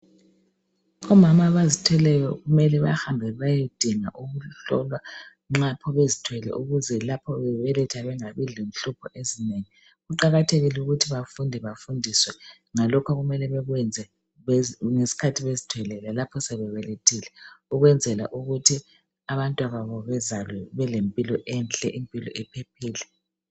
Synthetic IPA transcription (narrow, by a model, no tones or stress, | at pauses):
ɔmamaβazitʰwɛlɛjɔɣumɛlɛβa̰hambʱɛβajed̥ʱiŋaʔuɣuɬɔ̰lwa | ŋ͡ǁapʰɔβezitʰwɛlɛ̰ʔuɣuzɛlapʰɔβɛβɛlɛtʰaβɛŋaβililen̩ɬupʰɔʔezineŋi | ɣuǃaɣatʰeɣiluɣutʰiβafundʱɛβafundʱiswɛ | ŋalɔkʰaɣumɛlɛβɛɣwɛnd͡zʱɛ | ŋesi̥kʰatʰiβezitʰwɛlɛlɛlapʰɔsɛβɛβɛletʰilɛuɣwɛnd͡zʱɛla̰ʔuɣutʰi | aβantʼwaβaβɔβɛzalɛβɛlempʼilɔʔɛnɬʼɛ̰ʔimpʼilɔ̰ʔɛpʰepʰiːlɛ